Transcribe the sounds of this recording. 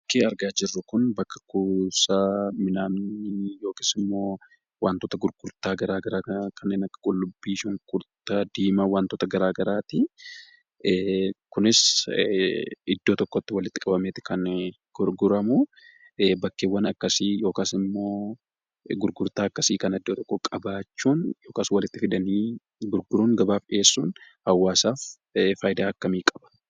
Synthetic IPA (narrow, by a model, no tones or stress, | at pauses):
bɐkːeːɐɾɡaːd͡ʒɪrːʊkʊnbɐkːɐ̥kusamɪnaːnɪjo̞ːkɪsɪmːo̞ː | waːnt̪ɔːt̪ɐɡʊɾɡ̥ʊɾt̪aːɡɐɾaːɡɐɾaːkʰɐnːeːnɐkːɐ̥kʼʊlːʊbːiːʃʊŋkʼʊɾt̪ad̪iːmɐwaːnt̪ɔːt̪ɐɡɐɾaːɡɐɾaːt̪ɪ | kʊnɪs | ɪd̪ːoːt̪ɔkːot̪ːɪwɐlɪt̪ːɪkʼɐbɐmeːt̪ɪkɐn | ɡ̥ɔɾɡʊɾɐmʊ | bɐkːeːwːɐnɐkːɐsiːjo̞ːkaːsɪmːo̞ː | ɡʊɾɡʊɾt̪aːɐkːɐsiːkɐnɐɪd̪ːoːt̪ɔkːɔkʼɐbaːt͡ʃːuːnjo̞ːkaːswɐlɪt̪ːɪfɪd̪ɐniː | ɡʊɾɡʊɾuːŋɡɐbaːfeːsːuːn | hɐwːaːsaːf | faːjd̪aːɐkːɐmiːkʼɐbɐ̥